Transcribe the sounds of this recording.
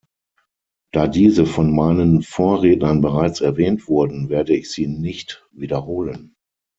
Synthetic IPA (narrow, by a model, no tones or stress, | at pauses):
d̥aːdiːzəfɔnmaɪnənfoːɐʁɛːtnɐnbəʁaɪt͡sɛɐvɛːntv̥ʊɐdn̩veːɐdəɪçz̥iːnɪçt | viːdɐhoːlən